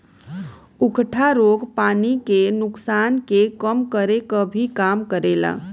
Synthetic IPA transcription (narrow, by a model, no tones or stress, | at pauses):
ʊkʈʰaɾoːɡpaːnikenʊksaːnkekəmkəɾekəbʱikaːmkəɾela̰